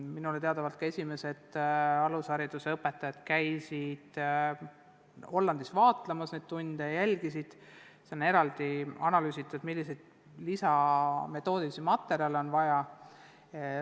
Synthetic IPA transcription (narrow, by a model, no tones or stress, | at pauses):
minulet̪e̞ɑd̪ɑvɑlt̪̚kɑe̞sʲime̞se̞d̪̥ɑlusɑɾid̪useɤpːˑe̞t̪ːˑɑjɑd̪̥kæjsid̪̥ | ho̞lːɑnd̪isvɑːt̪ˑlemɑsne̞d̪̚t̪und̪̥ejælʲɡ̥isid̪̥ | seo̞ne̞ɾɑld̪̥iɑnɑlyːsit̪ːˑud̪̥milːisejd̪̥ | lisɑme̞t̪ːˑo̞ːd̪̥isimɑt̪ːˑe̞ɾiɑlo̞nvɑjɑ